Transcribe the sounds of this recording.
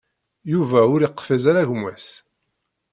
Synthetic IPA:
juvæʊɾiqːfæzaɾaʝəmwæs

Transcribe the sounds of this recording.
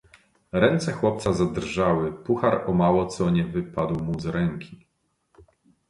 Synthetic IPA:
ɾɛnt̪sɛxwɔp̚t̪sazad̪rʐawɘpuxaɾɔmawɔt̪sɔɲɛvɘpad̪wmuzɾɛŋkʲi

